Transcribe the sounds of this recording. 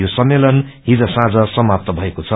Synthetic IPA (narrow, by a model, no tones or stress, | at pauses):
josʌmːelʌnɦid͡zʌsãd͡zʌsʌmap̚t̪ʌbʱʌekot͡sʰʌ